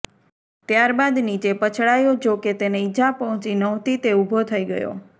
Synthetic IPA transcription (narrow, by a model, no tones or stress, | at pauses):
t̪jaɾbad̪nit͡ʃepət͡ʃʰɭajod͡ʒoket̪eneid͡ʒapəɦɔ̃t͡ʃinəɦt̪it̪eubʱot̪ʰəiɡə̰jo̰